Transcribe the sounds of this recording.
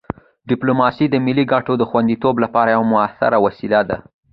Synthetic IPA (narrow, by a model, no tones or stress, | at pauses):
ɖɪplomɑsid̪əmɪliɡaʈod̪əxwand̪it̪oblapɑɾajawamʊasɪ̰ɾawasilad̪a